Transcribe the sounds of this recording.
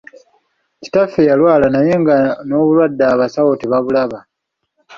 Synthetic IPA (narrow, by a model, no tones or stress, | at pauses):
ci̥tafːejalwaːlanaje̞ŋɡano̞ːβulwadːaːβasawotiβaβulaβa